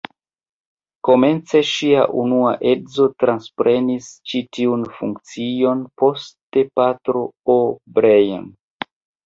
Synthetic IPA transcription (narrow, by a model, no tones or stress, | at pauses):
ko̞me̞nt͡se̞ʃia̰ʔunua̰ʔe̞zo̞tɾanspɾe̞nist͡ʃitiunfuŋkt͡sio̞npo̞ste̞patɾo̞obɾeja̰n